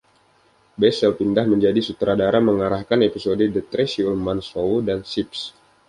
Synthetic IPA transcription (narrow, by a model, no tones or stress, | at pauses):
bɛsɛlpindahməɲd͡ʒadisut̪ɾadaɾaməŋaɾahkanepisodedət̪ɾesiulmansoudansips